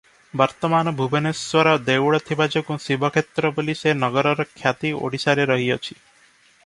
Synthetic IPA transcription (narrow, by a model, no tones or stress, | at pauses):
bɔɾt̪ɔmanɔbʱubʱeneswɔɾɔd̪ewɭɔt̪ʰibad͡ʒɔkusibʱɔkʰet̪ɾɔbelisenɔɡɔɾɔɾɔkʰjat̪io̰ɽisaɾeɾɔɦiɔt͡ʃʰi